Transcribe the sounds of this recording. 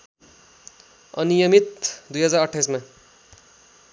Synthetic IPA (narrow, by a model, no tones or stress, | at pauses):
ʌ̰nijʌmit̪̚d̪ujɦʌd͡zaɾʌʈʰːajsma